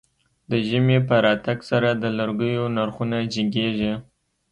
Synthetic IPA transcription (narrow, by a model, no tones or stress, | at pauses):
d̪əʒəmepəɾɑt̪aɡsaɾad̪əlaɾɡəjonaɾxunad͡ʒɪɡeʒi